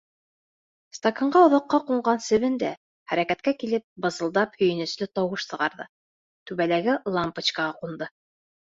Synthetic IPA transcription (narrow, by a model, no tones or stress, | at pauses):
st̪akaɴɢɑŏðɑqːɑquɴɢɑnsɘ̆βɘnd̪æ̰ | χæɾækæt̪̚kækilɘp̚bɤ̆zɤ̆lˠd̪ɑphɵ̆jɘ̆nɘ̆slɵt̪ɑwɤʃsɤ̆ʁɑɾðɤ̰ | t̪ʉβælæɡɘlˠampət͡ɕkɑʁɑqund̪ɤ